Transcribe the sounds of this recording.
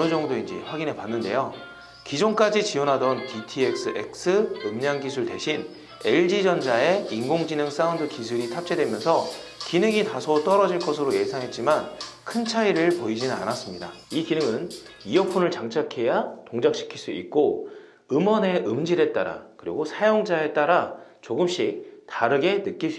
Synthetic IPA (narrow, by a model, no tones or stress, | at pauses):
ɯd͡ʑʌŋdoind͡ʑḭɸwaɡine̞panːɯnde̞̰jo | kid͡ʑoŋk͈ad͡ʑit͡ɕionɦadʌnpʰitʰiek̚s͈ɯʔḛk̚s͈ʰɯɯmɲaŋɡisʰuɭte̞ɕʰin | e̞ɭd͡ʑid͡ʑʌnd͡ʑae̞inɡoŋd͡ʑinɯŋs͈aundɯkisʰuɾitʰap̚t͡ɕ͈ʰe̞dwe̞mjʌnsʰʌ | kinɯɡitasʰot͈ʌɾʌd͡ʑiɭk͈ʌsʰɯɾoje̞sʰaŋɦe̞t̚t͡ɕ͈imankʰɯnt͡ɕʰaiɾɯɭpoid͡ʑinɯna̰nas͈ɯmɲida̰ikinɯŋɯnijʌpʰunɯɭt͡ɕaŋt͡ɕʰakʰe̞jatoŋd͡ʑak̚ɕ͈ʰi̥kʰiɭs͈uḭt̚k͈o | ɯmʌne̞ʔɯmd͡ʑiɾe̞t͈aɾa̰kɯɾḭɡosʰajoŋd͡ʑae̞t͈aɾat͡ɕoɡɯmɕ͈itaɾɯɡe̞nɯk͈isi